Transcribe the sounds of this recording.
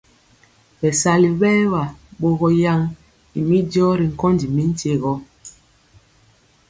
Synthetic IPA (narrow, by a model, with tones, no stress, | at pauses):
ɓɛ˨sa˨li˨ɓɛ˦wa˨ɓo˦ɣɔ˦ja˦ŋ | ḭ˨mi˦djɔ˦ɾi˨ŋ̩˨kɔ˦ndi˨mi˦n̩˦te˦˨ɣɔ˦